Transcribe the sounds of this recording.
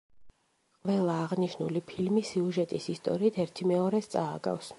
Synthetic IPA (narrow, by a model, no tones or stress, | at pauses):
qʼvɛlˠaːʁniʃnulipʰilmisiuʒɛt̪ʼisist̪ʼɔ̰ɾiːt̪ʰɛɾt̪ʰimɛɔɾɛst̪sʼaːɡa̰fs